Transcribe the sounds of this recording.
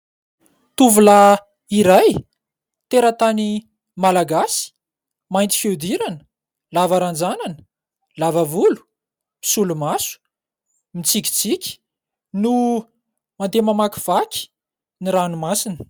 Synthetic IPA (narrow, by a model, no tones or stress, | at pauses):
t̪uvula | iɾaj | t̪eɾət̪ani | malaɡasi̥ | majnt̪i̥fewd̪iɾanə̥ | lavaɾand͡zananə̥ | lavavulu̥ | pi̥sulumasu̥ | mit͡sikʲi̥t͡sikʲi̥ | nu | mand̪emamakiv̥akʲi̥ | niɾanumasinə̥